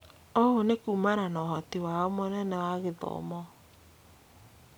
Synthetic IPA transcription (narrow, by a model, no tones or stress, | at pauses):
ɔonekumaɾanɔɦɔtiwaɔmonɛnɛwaɣeðɔ̰mɔ